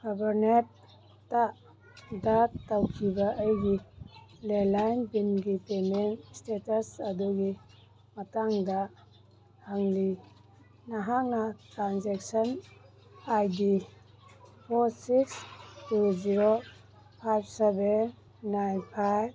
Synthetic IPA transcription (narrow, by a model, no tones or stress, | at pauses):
ɡ̥abaɾnet̚ː | a | datawkʰibaʔəjɡilelajnbinɡipemenstetasɐduɡi | mɐtaŋda | haŋli | naɦaŋnatɾanzɛk̚sən | ajdi | pʰɔɾsikstuziɾo | pʰajbsebenː | ajnpʰajb̚